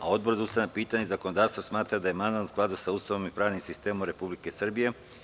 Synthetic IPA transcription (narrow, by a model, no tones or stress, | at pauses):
ao̞d̪boɾd̪aust̪anapiːt̪aɲezako̞nod̪aːɾst̪osmaːt̪ɾad̪aje̞mand̪anusklˠad̪usauːst̪aʋomipɾaːʋnimsist̪e̞ːmomɾe̞publike̞sr̩bije̞